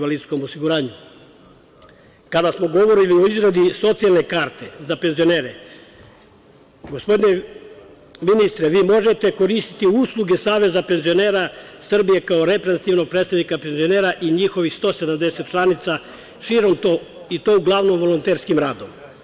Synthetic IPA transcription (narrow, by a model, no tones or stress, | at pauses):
ʋalid̪sko̞mosiɡuɾaːɲu | kad̪asmoɡo̞ʋo̞ɾilioizɾad̪iso̞t̪sialne̞kaɾt̪e̞zape̞nzio̞ne̞ːɾe | ɡo̞spod̪ine | minist̪ɾeʋiːmo̞ʒet̪e̞ko̞ɾist̪i̥t̪iuslˠuɡe̞saːʋe̞zape̞nzio̞neːɾasr̩bije̞kaoɾe̞pɾezt̪iʋno̞ɡ̚pɾed̪st̪aʋnikape̞nzio̞neːɾaʔiɲixo̞ʋixst̪o̞ːse̞d̪amd̪e̞set̪̚t͡ʃlˠanit̪sa | ʃiːɾo̞mt̪oː | it̪o̞uɡlˠaʋnomʋo̞lont̪eɾskimɾaːd̪o̞m